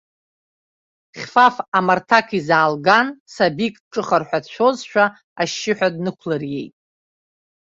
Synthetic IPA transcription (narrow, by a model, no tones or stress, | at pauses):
χʲfafamartʰakʰizaːlɡansabikʼʈ͡ʂʼɨχarħʷadʃʷʰo̞zʃᶣa | aʃːɪħʷᶣadnɨkʷʰlarje̞̰jtʼ